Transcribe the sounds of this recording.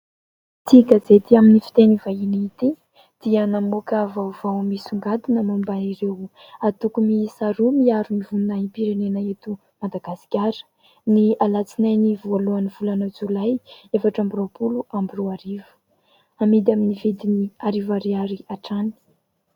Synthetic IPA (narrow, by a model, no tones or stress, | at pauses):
t͡siɡazet̪iaminifi̥t̪enivainit̪i | d̪̥iənamokavavawmisuŋɡad̪inəmambaiɾew | at̪ukumisaɾumiaɾumivunnaimpiɾenenaet̪u | mad̪aɡasi̥kʲaɾə̥ | nialat͡sinajnivualuanivulanəd͡zulajefaʈ͡ʂambirawpuluʔambiroaɾivə̥ | amid̪aminived̪iniaɾivaɾiaɾiaʈ͡ʂani̥